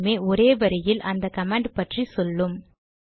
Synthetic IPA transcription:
meːʔɔɾeːʋɐɾɐjɪlʔɐnd̪ɐkɐmaːɳɖpɐʈrisɔlːɯm

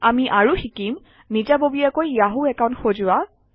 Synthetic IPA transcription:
amiʔaɹuxikim | nid͡ʒabobiakojjaɦuɛkaw̃ntxozʊwa

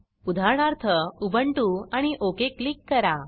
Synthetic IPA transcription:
ud̪ʱaɾɳaɾt̪ʰəubəɳʈũaɽ̃iʔokeklikːəɾa

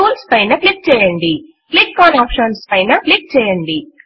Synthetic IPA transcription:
uːlspɐjnɐklik̚t͡ʃɛːjɐɳɖi | klikːaːnaːpʃɐːnspɐjnɐplik̚t͡ʃɛːjɐɳɖi

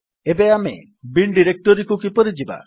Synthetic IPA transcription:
ebeamḛ | biɳɖiɾek̚ʈɔɾikukipɔɾid͡ʒiba̰

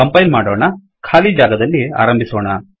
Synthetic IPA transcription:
ɐmpɐjnmaːɽɔːɳɐ | kʰaːlid͡ʒaːɡɐd̪ɐlːia̰ːɾɐmbʱisɔːɳɐ

